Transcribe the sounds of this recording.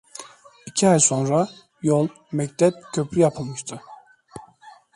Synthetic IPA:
icʰiɑjso̞nɾɑ | jolˠ | mæct̪ʰɛb̚cʰøpʰɾyjɑpʰɯlˠmɯʃt̪ʰɯ

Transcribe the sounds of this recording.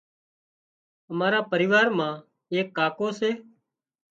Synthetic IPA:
əmaːɾaːpəɾɪiːʋaːɾmãː | eːkːaːkoːseː

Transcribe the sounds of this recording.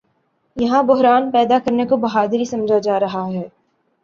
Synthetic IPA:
jɐɦãbʊɦɾaːnpɛːd̪akɐɾnekobɐɦaːd̪ɾisɐ̃md͡ʒʱad͡ʒaːɾɐɦaɦɛː

